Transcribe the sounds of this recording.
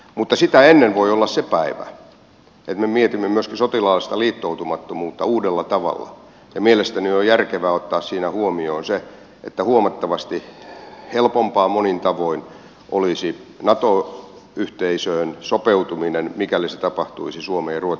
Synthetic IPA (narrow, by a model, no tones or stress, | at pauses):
mut̪ːɑsit̪æenːenʋoiolːɑssepæiʋæ̰ | ḛt̪memiet̪imːemyøskisot̪ilɑːlːest̪ɑliːt̪ːout̪umɑt̪ːomuːt̪ːɑuːdelːɑt̪ɑʋɑ̰lːɑ̰ | jɑmielest̪æniojærkeʋæːot̪ːɑːssiːnæhuomioːnse | ʔḛt̪ːæhuomɑt̪ːɑʋɑst̪ihelpompɑːmonint̪ɑʋoin | ʔolisinɑt̪o | yht̪eisøːnsopeut̪uminenmikæliset̪ɑpɑht̪ṵisisuomeːruot̪